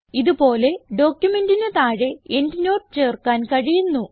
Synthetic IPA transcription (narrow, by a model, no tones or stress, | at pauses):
iðupo̞ːle̞ɖo̞ːkʲjume̞ndinet̪aːɻe̞endino̞ːrɨt͡ɕe̞ːrkaːnkɐɻijunːu